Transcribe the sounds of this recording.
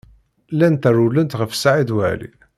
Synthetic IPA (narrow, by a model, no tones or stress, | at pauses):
lænt̪ærulənt̪ʁəfsaʕid̪wæ̰lḭ